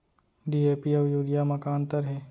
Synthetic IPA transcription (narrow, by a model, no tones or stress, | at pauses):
ɖiːeːpiɔʋjuːɾijamɐkaːnt̪əɾɦɛː